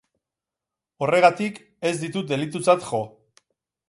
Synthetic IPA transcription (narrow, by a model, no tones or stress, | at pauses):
o̞re̞ɣ̞at̪ik | e̞zd̪it̪ut̪̚d̪e̞lit̪̬ut͡sat̪ʝo̞